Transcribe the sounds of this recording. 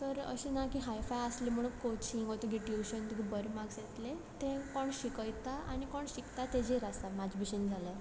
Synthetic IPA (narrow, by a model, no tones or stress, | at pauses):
t̪əɾə̰ɕinakiɦajfajəslem̤əɽ̃ũnkot͡ɕĩŋɡɔt̪uɡeʈiuɕənt̪uɡibəɾmaɡset̪let̪ẽkɔɳɕikəjt̪aʔanikɔɳɕikt̪at̪ed͡ʑeɾasamad͡ʑbiɕənd͡zʱala